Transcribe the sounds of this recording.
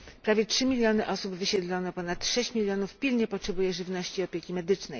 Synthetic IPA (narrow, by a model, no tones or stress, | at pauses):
pɾavʲjɛtʂɘmʲilʲjɔnɘʔɔsubvɘɕɛd̪lɔnɔpɔnat̪ʂɛɕt͡ɕmʲilʲjɔnufpʲilɲɛpɔtʂɛbujɛʐɘvnɔɕt͡ɕiɔpʲjɛkʲimɛd̪ɘt͡ʂnɛ̰j